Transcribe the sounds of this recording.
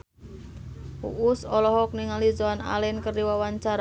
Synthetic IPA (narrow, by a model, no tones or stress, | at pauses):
ṵʔusɔlɔɦɔk̚niŋalizɔana̰lɛnkərdiwawaɲt͡ʃaɾa